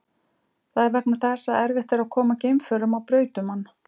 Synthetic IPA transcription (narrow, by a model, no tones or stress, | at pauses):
θaðɛɾvɛk̚naθɛsaɛɾvɪht̪ɪɾakʰɔːmacejmfœɾʏmawpɾœːɥt̪ʏmanː